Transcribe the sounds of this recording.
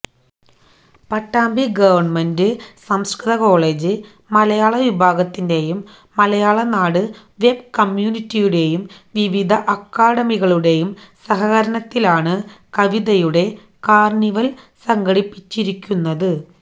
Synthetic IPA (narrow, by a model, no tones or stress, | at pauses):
pɐʈːaːmbʱiɡɐʋɐrɳmendɨsɐmskɾɨðɐko̞ːɭe̞ːd͡ʑɨ | mɐlɐjaːɭɐʋibʱaːɡɐt̪ːinde̞jumː | ɐlɐjaːɭɐnaːɽɨ | ʋe̞bkɐmjuːnitːijuɽe̞jumʋiʋid̪ʱɐʔɐkːaːɽɐmiɣɐɭuɽe̞jumsɐɦɐɣɐɾɐnɐt̪ːilaːɳɨkɐʋiðɐjuɽe̞ | kaːrɳiʋɐl | sɐŋɡɐɽipːit͡ɕːiɾikʲːunːɐðɨ